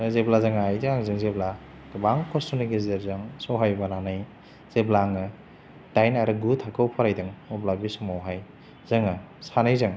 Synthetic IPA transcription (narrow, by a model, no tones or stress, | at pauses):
zeblazɯŋajzɯŋaŋzɯŋzebla | ɡɯbaŋkʰɔstɔniɡezeɾzɯŋsɔwɦajbananɯj | z̥eblaŋɯ | d̥ajnaɾɯɡutʰakʰɯwpʰɔɾajdɯŋɔblabisumawɦaj | z̥ɯŋɯ | sanajzɯŋ